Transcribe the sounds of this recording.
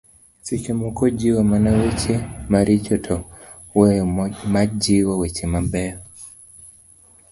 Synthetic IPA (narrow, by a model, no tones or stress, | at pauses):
sikimɔkɔd͡ʒiwamanawet͡ʃemaɾit͡ʃɔtʰɔ | wemad͡ʒiwɔwet͡ʃemambɛɔ